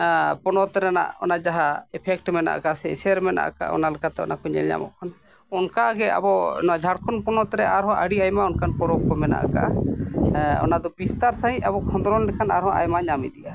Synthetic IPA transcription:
pɔnɔt̪ɛɾɛna̰ʔɔnad͡ʒaɦaɛpʰɛk̚ʈmɛna̰ʔkasɛsɛɾmɛna̰ʔka̰ʔɔ̰nalɛkat̪ɛɔ̰nakɔɲɛ̰lɲa̰mɔ̰ʔkʰan | ɔnkaɡɛa̰bɔnɔwad͡ʒʱaɽkʰɔnpɔnɔt̪ɾɛʔaɾɦɔ̃ʔaɽiajmaɔnkanpɔɾɔk̚pɔmɛna̰ʔka̰ʔ | ɔ̰nad̪ɔbist̪aɾsaɦĩabɔkʰɔ̃nd̪ɾɔllɛkʰanaɾɦɔ̃ʔa̰jmaɲamid̪ija

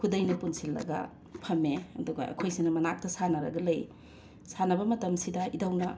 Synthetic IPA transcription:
kʰudɐjnɐpunsilːɐ̰ɡɐ̰ | pʰɐmeɐ̰duɡɐ̰ɐ̰kʰojsinɐmɐnak̚tɐsanɐɾɐ̰ɡɐlɐj | sanɐbɐmɐtɐmsidɐidawnɐ

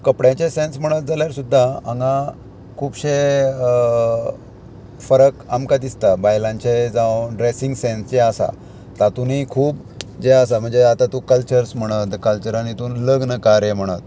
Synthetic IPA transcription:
kəpɽjãt͡ɕesẽnsm̤əɽ̃ət̪̚d͡zaljaɾsud̪ʱːaə̃ŋɡã | kʰuːpɕe | fəɾəkamkad̪ist̪abajlãɲt͡ɕed͡zãwɖɾesĩŋɡsẽnst͡ɕeəsa̰ | t̪at̪unikʰuːp̚ | d͡ʑeəsam̤əɳd͡zeat̪ãt̪ukəlt͡ɕəɾsm̤əɽ̃ət̪kəlt͡ɕəɾanit̪uːnləɡnəkaɾjem̤əɽ̃ət̪̚

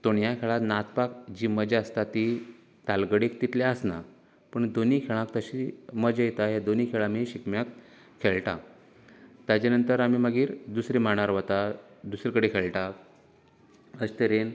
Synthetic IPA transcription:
t̪oɳjakʰeɭat̪nat̪pakd͡ʑiːməd͡ʑeəst̪at̪i | t̪alɡəɽikt̪it̪leəsna | pəɳd̪oniːkʰeɭãkt̪əɕiməd͡ʑəjet̪aɦed̪onikʰeɭamiɕikmjakʰː | eɭʈa̰ | t̪jat͡ɕanənt̪əɾamiməɡiːɾd̪usɾimaɽ̃aɾʋat̪a | d̪usɾikəɽekʰeɭʈa | əst̪əɾen

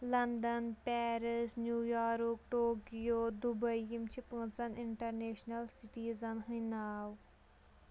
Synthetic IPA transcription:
lɐnd̪ɐnpɛːɾɪsnjuːjaːɾkʈoːkijoːd̪ubɐjimt͡ʃʰipɨːnsɐnɪɳʈɐɾneːʃnɐlsiʈiːzɐnɦɨnaːw

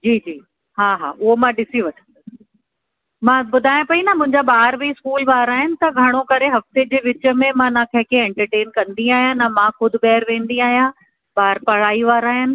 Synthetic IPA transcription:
d͡ʑiːd͡ʑiː | ɦaːɦaːʔʊɦomãɗɪsiʋɐʈʰə̃nd̪ | mãbʊd̪ʱaːjõpɐinɐmʊ̃ɦɪ̃ɲd͡ʑabaːɾbiskuːlʋaːɾaːɦɪnɪ̆t̪ɐɡʱɐɽ̃okɐɾeɦɐft̪ed͡ʑeːʋɪt͡ɕə̆mẽmãnãːkʰɐ̃ɦkʰẽɛ̃ɳʈəɾʈeːnkɐ̃nd̪iaːɦjãnɐmãxʊd̪ʱɪ̆bɛːəɾʋẽːnd̪iaːɦijã | baːɾpɐɽaːiʋaːɾaːɦɪnɪ̆

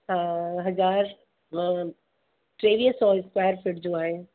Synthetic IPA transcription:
ɦãːɦɐzaːɾ̃ | ʈɾeːʋiɦsɔːɪskwaːjəɾfɪʈd͡ʑoːaːɦɪn

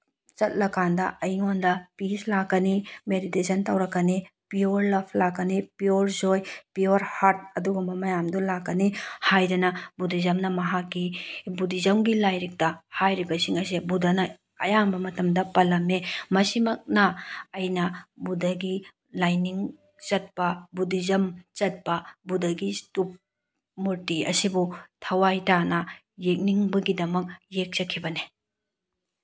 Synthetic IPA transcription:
t͡ʃɐt̚lɐkʰandɐʔɐjŋondɐpislakːɐnimeɾitesʰɐntɐwɾɐkːɐnipioɾlɐpʰlakːɐnipioɾzojpioɾhaɾt̚ɐduɡɐmbɐmɐjamdulakːɐnihajɾinɐbudizɐmnɐmɐɦakːibudizawŋɡilajɾik̚tɐhajɾibɐsiŋɐs̬ebudɐnɐ | ɐjambɐmɐtɐmdɐpɐlɐmːemɐsimɐk̚nɐɐjnɐbudɐɡi | lajniŋ | t͡ʃɐt̚pɐbudizɐmt͡ʃɐt̚pɐbudɐɡistup̚ | muɾtiɐ̰sibutʰɐwajtanɐ | jek̚niŋbɐɡidɐmɐk̚jek̚t͡ʃɐkʰːibɐne

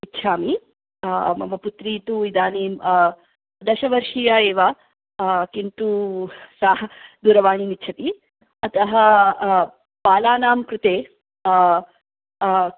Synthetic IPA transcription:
itːʃʰaːmi | mɐ̰mɐput̪ɾiːt̪uid̪aːni | d̪ɐʃɐʋɐɾʂiːjɐeːʋɐ | kint̪usaːɦɐd̪uːɾɐʋaːɳinitːt͡ʃʰɐt̪i | ɐt̪ɐɦɐ | paːlaːnaːmkɾut̪eː

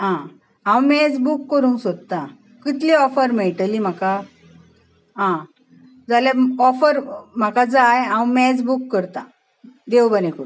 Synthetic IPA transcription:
ɦã | ãwmɛd͡zbukːəɾũːsod̪̚t̪ã | kit̪leɔfəɾmeɭʈəlim̤aka | ɦã | d͡zaljaɔfəɾm̤akad͡zajɦãwmɛ̃d͡zbukːəɾt̪ã | d̪ewbənekoɾũ

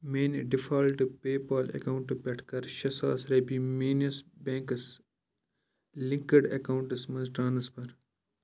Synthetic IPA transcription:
meːnɖɪfʰaːlʈupeːpaːlḛkaʊ̃ɳʈupɐʈʰkɐɾʃɐsa̰ːsɾeːbiːmeːnɐsbẽːŋks | lɪ̃ŋkəɖɐkaʊɳʈɐsmɐ̃nzʈɾaːnɐspɐɾ

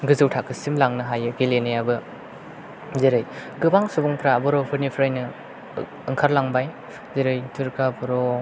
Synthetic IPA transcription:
ɡɯzɯwtʰakɯsimlaŋnɯɦajɯɡelenajabɯ | ziɾɯjɡɯbaŋsubɔŋtʰɾabɯɾɔpʰɯɾnipʰɾajnɯ | ɯŋkʰaɾlaŋbaj | ziɾɯjtʰuɾkabɯɾo

